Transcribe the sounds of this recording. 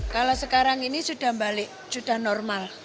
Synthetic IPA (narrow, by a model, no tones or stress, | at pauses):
kalosəkaɾaŋinisud̥a̤hmbalɪʔ | sud̥a̤hnɔrmal